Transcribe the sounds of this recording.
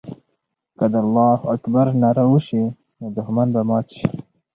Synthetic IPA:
kad̪alːɑːhakbaɾnaɾauʃi | nod̪ʊxmanbamɑːt̪ʃi̥

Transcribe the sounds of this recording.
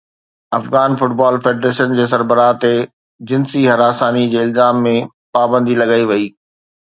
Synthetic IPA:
ɐfɣaːnfʊʈbaːlfeːɖɾeːʃənd͡ʑeːs̬ɐɾbəɾaːt̪e | d͡ʑɪnsiɦɐɾaːsaːnid͡ʑeːɪlzaːmːẽ | paːbə̃nd̪ilɐɡaːiʋɐiː

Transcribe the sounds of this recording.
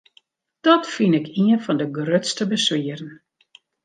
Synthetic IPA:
d̥ɔtfinɪkʰiənfɔndəɡrøtstəbəsʋiərən

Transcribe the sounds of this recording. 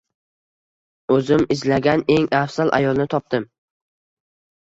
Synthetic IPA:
ɵzɪmɪzlaɡʲane̞ŋafsalʔa̰jɒlˠnɪt̪ʰɒp̚t̪ɪm

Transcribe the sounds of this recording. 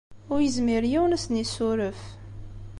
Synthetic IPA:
ʊɾjəzmiɾjiwnæsnisʊɾəf

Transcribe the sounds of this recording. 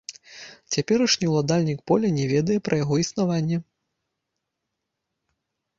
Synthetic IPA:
t͡sʲapʲɛɾɐʂnʲiwlˠad̪alʲnʲikpɔlʲɐnʲɛvʲɛd̪ɐjɛpɾʔɐjaɣɔisnavanʲːɛ

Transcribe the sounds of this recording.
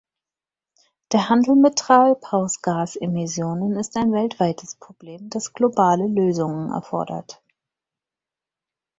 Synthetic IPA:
d̥eːɐhandl̩metʁ̥aːlpʰaʊsɡ̥aːsemɪsjoːnənɪstaɪnvɛltv̥aɪtʰəspʁ̥obleːmd̥asɡ̥lobaːləløːzʊŋənɛ̰ɐfɔ̰ɐdɐ̰t

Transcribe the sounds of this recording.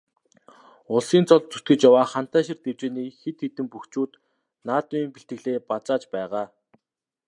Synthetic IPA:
ʊɮsiːnt͡sʰɔɮt͡sut̪̚ɡɘ̆t͡ɕjawaːχan̥t̪aːʃĭrt̪ewt͡ɕeːniːxet̪xet̪ɘ̆mpuxt͡ɕuːt̪ | naːt̪ʊiːmpiɬt̪ɡɘ̆ɮeːpat͡saːt͡ɕpæːʁaː

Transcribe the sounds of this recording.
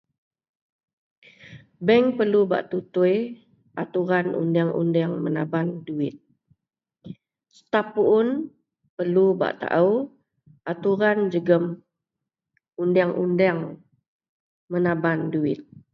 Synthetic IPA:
bɛŋpərluba̰ʔt̪ut̪uj | ʔat̪uɾanṵndaŋʔṵndɛŋməna̰banduɪt̪̚ | st̪apuʔʊn | pərluba̰ʔt̪a̰ʔəw | at̪uɾand͡ʒəɡəm | undaŋʔṵndɛŋ | mənabanduɪt̪̚

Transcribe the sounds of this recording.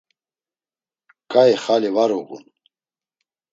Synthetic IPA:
kʼaɛχaliwaɾuɡṵn

